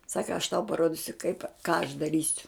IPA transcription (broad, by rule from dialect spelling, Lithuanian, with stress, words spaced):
ˈsɑːkɐ ɐʃ tɐʊ pɐˈroːdʲɪsʲʊ kɐɪp kɑː ɐʃ dɐˈrʲiːsʲʊ